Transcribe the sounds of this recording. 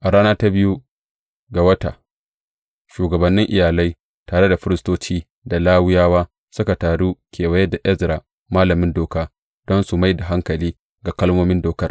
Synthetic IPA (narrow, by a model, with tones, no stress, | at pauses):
ʔa˨ɽaː˦naː˦ta˦bɪ˦ju˦ | ɡa˨wɐ˦ta̰˨ | ʃuː˨ɡɐ˨bɐ˨nːɪ˦ŋʔɪ˨jaː˨la˦j | taː˨ɽe˦da˨ɸɪ˦ɾɪ˦stoː˦t͡ʃiː˦ | da˨laː˦wʊ˦jaː˦waː˦ | sʊ˦ka˨taː˨ɽuː˦kʲʰeː˨wɐ˦jɛ˦da˨ʔɛ˦zɾa˨ | maː˦lɐ˨mɪ˦ndoː˨kaː˦ | d̥ɔ˦nsu˨ma˦jda˨ɦa˦ŋkɐ˨liː˦ | ɡa˨kɐ˦lmoː˦mɪ˦ndoː˨kɐ˦r